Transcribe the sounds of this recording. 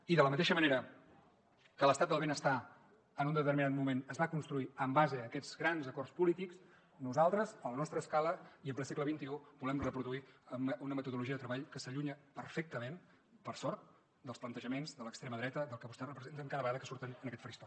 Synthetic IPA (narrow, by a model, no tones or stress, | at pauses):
iðələmət̪eʃəməneɾə | kələst̪at̪̚d̪əlˠβenəst̪a | ənund̪ət̪ərminat̪̚mumenəzβakunst̪ɾuiəmbazəːkɛd͡zɣɾanzəkɔrspulit̪iks | nuzalˠt̪ɾəzələnɔst̪ɾəːskaləiəmpəsekləβ̞int̪iubulɛmrəpɾuðuiəmunəmət̪uðuluʒiəðət̪ɾəβaʎkəsəʎuɲəpərfek̚t̪əmen | pəɾsɔɾt̪ | d̪əlˠsplənt̪əʒəmenzd̪ələkst̪ɾeməðɾɛt̪əd̪əlˠkəβust̪ɛrəpɾəzent̪əŋkaðəəɣaðəkəsuɾt̪ənənəkɛt̪fɾist̪ɔ